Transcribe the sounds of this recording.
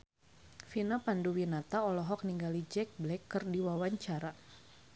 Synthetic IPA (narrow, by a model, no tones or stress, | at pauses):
finapanduwinat̪aɔlɔɦɔk̚niŋɡalid͡ʒɛk̚blɛkːɨrdiwawaɲt͡ʃaɾa